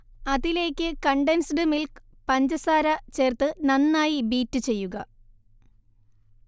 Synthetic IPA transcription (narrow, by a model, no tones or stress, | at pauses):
ɐðile̞ːkʲːɨkɐɳɖensɖɨmilk | pɐɲd͡ʑɐsaːɾɐt͡ɕe̞ːrt̪ɨnɐnːaːjibiːtːɨt͡ɕe̞jːuɣɐ